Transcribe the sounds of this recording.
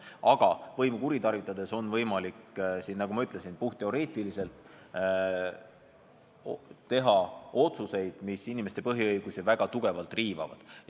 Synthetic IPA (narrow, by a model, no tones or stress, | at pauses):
ɑɡ̥ɑvɤjmukuɾit̪ɑrvit̪ːˑɑd̪̥e̞so̞nvɤjmɑliksinnɑɡ̥umɑyt̪le̞sinpuht̪eo̞ɾe̞ːt̪ˑilise̞lt̪ˑ | t̪e̞ɦɑo̞t̪suse̞jd̪̥misinimest̪e̞pɤɦiɤjɡ̥usivæɡ̥ɑt̪uɡ̥e̞vɑlt̪ˑriːvɑ̰vɑ̰d̪̥